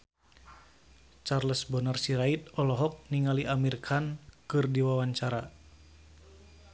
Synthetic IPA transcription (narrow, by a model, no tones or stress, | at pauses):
t͡ʃarləsbɔnarsiɾait̪̚ɔlɔɦɔk̚niŋaliʔamirkʰankɨrdiwawaɲt͡ʃaɾa